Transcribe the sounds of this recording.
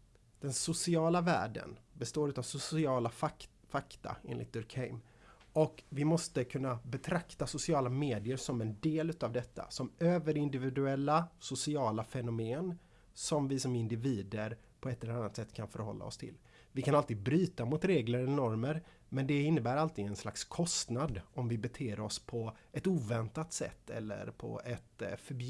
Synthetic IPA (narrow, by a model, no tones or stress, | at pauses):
d̪̥ɛnsʊsɪɑːlavæ̰ːɖə̰nbɛst̪oːɾʉ̟ːt̪avsʊsɪɑːla | fakt̪a̰ḛːnlɪ̰t̪̚d̪ɵɾkʰɛɪm | ɔkvɪmɔst̪əkʰɵnːabɛt̪ʰɾakt̪asʊsɪɑːlameːd̪ɪəɾsɔmɛnd̪eːlʉ̟ːt̪avd̪ɛt̪ʰːa̰sɔmøːvəɾɪnd̪ɪvɪd̪ɵɛlːasʊsɪɑːlafɛnʊmeːn | sɔmvɪsɔmɪnd̪ɪviːd̪əɾ | pʰɔɛt̪ːɛlɛɾanːat̪sɛt̪ːkʰanfœɾhɔ̰lːa̰ɔ̰st̪ʰɪ̰l | vɪkʰanalt̪ɪːd̪̚bɾyːt̪amʊt̪ɾeːɡləɾɛnɔɾməɾ | mɛnd̪ɛɪnːəbæːɾalt̪ɪːɡ̪ɛnsla̰kskʰɔst̪nad̪ɔmvɪbɛt̪ʰeːɾɔspʰɔʔɛt̪uːvɛnt̪at̪sɛ̰t̪ːɛ̰lːə̰ɾpʰɔ̰ɛt̪fœɾb